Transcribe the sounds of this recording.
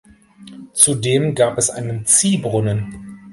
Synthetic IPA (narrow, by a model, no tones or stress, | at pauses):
t͡sudeːmɡaːpɛsʔa̰ɪnənt͡siːbʁʊnən